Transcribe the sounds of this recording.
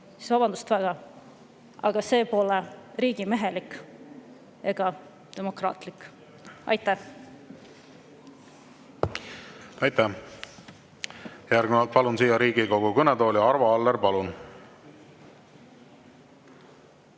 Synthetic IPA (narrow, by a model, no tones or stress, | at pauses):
si̥svɑbɑnd̪ust̪væɡ̥ɑ | ɑ̰ɡ̥ɑse̞ːpo̞lɛɾiːɡ̥ime̞ɦelik | e̞ɡ̥ɑ | t̪e̞mo̞krɑ̰ːt̪likː | ɑ̰jt̪ːæh | ɑjt̪æ | jæɾɡmɑlt̪̚pɑlunsiːjːɑɾiːɡiko̞ɡukønɛd̪o̞ːljɑɑɾvɑɑlːeɾpɑlun